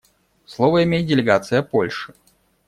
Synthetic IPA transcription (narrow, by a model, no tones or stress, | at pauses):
slˠovəɪmʲejɪt̪̚ʲdʲɪlʲɪɡat̪sɨjəpolʲʂɨ̥